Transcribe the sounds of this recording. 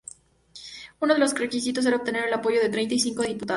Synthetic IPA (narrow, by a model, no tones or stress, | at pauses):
unoð̞e̞lo̞sre̞kis̬it̪os̬eɾaop̚t̪e̞ne̞ɾe̞lapo̞ʝo̞ðe̞t̪ɾe̞jnt̪aisiŋkoðeðiput̪a